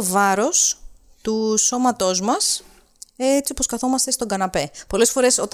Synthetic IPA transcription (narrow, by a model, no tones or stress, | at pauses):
ovɐɾo̞s | t̪uso̞mɐt̪o̞zmɐs | et͡sioposkɐθo̞mɐst̪e̞st̪oŋɡɐnɐpe̞po̞le̞sfo̞ɾe̞so̞t̪